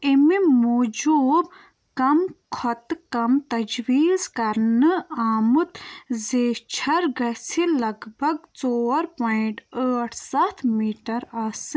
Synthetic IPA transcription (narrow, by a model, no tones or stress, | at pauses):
imimuːd͡ʒuːb | kɐmkʰɔt̪kɐmt̪ɐd͡ʒwiːzkɐɾnɨaːmɨt̪zeːt͡ʃʰɐɾɡɐsilɐɡbʱɐɡt͡soːɐɾpaiɳʈəːʈʰsɐt̪ʰmiːʈɐɾɐːsɨ